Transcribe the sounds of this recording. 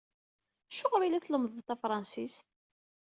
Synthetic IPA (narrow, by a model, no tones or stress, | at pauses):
ʃːoʁɾˤilæθləməðˤt̪æfɾˤɑnsist